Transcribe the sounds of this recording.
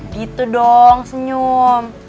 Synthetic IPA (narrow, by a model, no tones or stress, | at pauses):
ɡit̪udɔŋsəɲum